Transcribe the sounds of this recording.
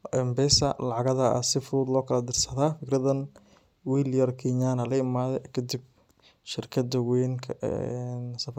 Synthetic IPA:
ʔɛmbɛsɐ̰lɑʕɑɣɐðɐɐ̰sɪfuːd̪lɔːkʰɐlɐd̪ɪrsɐðaːfɪkɾɐðɐn | wiljɐrkʰiɲaːnɐlɐɪmaːðɛkʰɐd̪ib̚ | ʃɪrkʰɐd̪ɐwɛːŋkʰɐɛnsɐf

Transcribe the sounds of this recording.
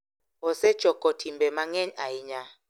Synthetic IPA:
ɔsɛ̥t͡ʃɔkɔtʰimbɛmaŋɛɲaiɲa

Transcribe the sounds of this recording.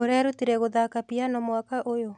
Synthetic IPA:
oɾeaɾutiɾɛɣoðakapianɔmwakaʔojo

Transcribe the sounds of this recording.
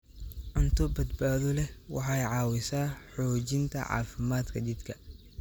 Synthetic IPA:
ʕʊnt̪ʰʊbɐd̪baːðɔlɛwɑ̰ħɑjʕɑːwɪsaːħɔːt͡ʃɪnt̪ʰɐ̰ʕɑ̰ːfɪmaːd̪kʰɐdɪd̪kʰɐ

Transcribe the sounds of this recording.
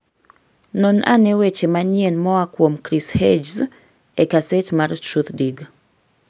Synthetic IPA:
nɔna̰newet͡ʃemaɲjenmɔakwomkɾished͡ʒz | ekasetmartɾut̪diɡ

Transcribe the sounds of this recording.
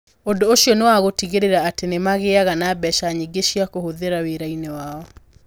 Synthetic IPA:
ondoːʃijɔnewaɣotiɣeɾeɾaːtenemaɣeaɣanabɛʃaɲiɡeʃiakohoðeɾaweɾainewaɔ

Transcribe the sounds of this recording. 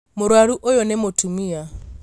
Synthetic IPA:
moɾwaɾuʔojɔnɛmotumia

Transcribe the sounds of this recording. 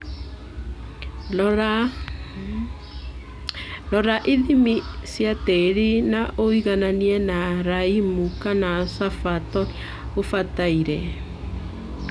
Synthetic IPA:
ɾa | lɔɾaʔiðimisjateɾinaʔoiɣananiɛnaɾaimukanasafatɔɾi | ofataiɾɛ

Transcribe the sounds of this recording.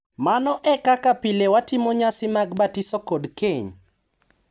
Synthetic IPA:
manɔʔɛkakapɪlewatɪmoɲasɪmaɡbatɪsɔkodkeɲ

